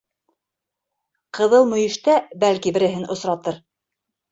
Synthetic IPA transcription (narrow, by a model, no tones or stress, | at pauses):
qɤ̆ðɤlˠmɵ̆jɘ̆ʃt̪æbælkibɘ̆ɾɘ̆ɦɘnʔŏsɾɑt̪ɤɾ